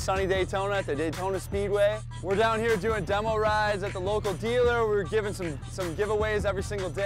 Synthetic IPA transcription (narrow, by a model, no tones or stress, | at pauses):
sʌñideɪtʰõʊ̃nɨt̪̚ðeɪdɪtʰõʊ̃nɨspid̚weɪ | wɪɹdãʊ̃nhiɹdʉɪ̃ŋdɛ̃mol̩ˠɹaɪdzɨt̪̚ðəloʊkl̩ˠdilˠə˞wɪɹɡɪvɪ̃ŋsʌ̃m | sʌ̃mɡɪvəweɪzɛvɹisɪ̃ŋɡl̩ˠde